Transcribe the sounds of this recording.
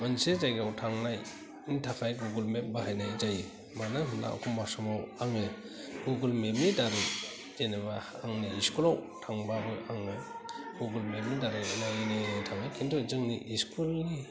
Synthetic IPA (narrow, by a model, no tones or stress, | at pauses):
mansed͡ʒajɡawtʰaŋnaj | intʰakʰajɡuɡulmep̚bahajnajzaji | manaɦɯmla̰ɔ̰kʰɔmːasɔmawaŋe | ɡuɡɯlmebnidaɾɯj | d͡ʒeneba | aŋniiskulawtʰaŋbabɯjaŋeɡ̥uɡɯlmeb̚nidaɾɯjnajinetʰaŋnajkʰintʰɔzɯŋniʔiskʰulni